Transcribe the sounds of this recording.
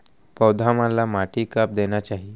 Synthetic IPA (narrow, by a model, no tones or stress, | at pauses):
pəwd̪ʱamalamaʈikap̚d̪enat͡ɕaɦi